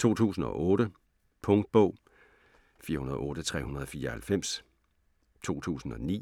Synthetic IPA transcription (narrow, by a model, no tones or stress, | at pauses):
t͡sʰo̝̰ːt͡sʰṵːsn̩ɒ̽ʔɔːɾə | pʰɔ̽ŋd̥̚b̥ɔʊ̰ | fiːɐhunɐð̞ˠɔ̽ːɾ̥ət͡sʰʁɛ̰ːhunɐðˠɒ̽fiːɐhælfem̰s | t͡sʰo̝̰ːt͡sʰṵːsn̩ɒ̽nḭː